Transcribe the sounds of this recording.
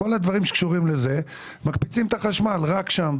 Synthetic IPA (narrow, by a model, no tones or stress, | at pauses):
olad̪vaʁimʃekʃuʁimleze̞ | makpit͡simt̪aχaʃmalʁakʃam